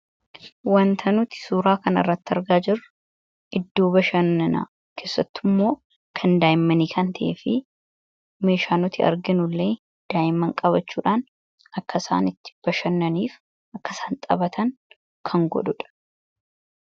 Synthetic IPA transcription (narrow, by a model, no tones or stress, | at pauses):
wɐnt̪ʰɐnʊt̪ɪ̥suːɾaːkɐnɐ̰rːɐt̪ːɪɐɾɡaːd͡ʒɪrːʊ | ʔɪd̪ːo̞ːbɐʃɐnːɐna̰ | kʰe̞ːsːɐt̪ːɪmːo̞ː | kʰɐnd̪aːjɪmːɐniːkɐnt̪ʰɐʔeːfɪ | me̞ːʃaːnɔt̪ɪɐ̰ɾɡɪnʊlːeː | d̪̥aːjɪmːɐŋkʼɐβɐt͡ʃːuːᶑaːn | ɐkːɐsa̰ːnɪt̪ːɪ̥b̥ɐʃɐnːɐniːf | ɐkːɐsaːnt̪ʼɐ̰bɐt̪ʰɐŋ | kʰɐŋɡɔ̰ᶑʊᶑɐ̥